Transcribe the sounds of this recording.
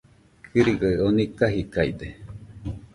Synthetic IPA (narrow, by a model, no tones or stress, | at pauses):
kʰɨɾiɡəonikaɦikaid̪e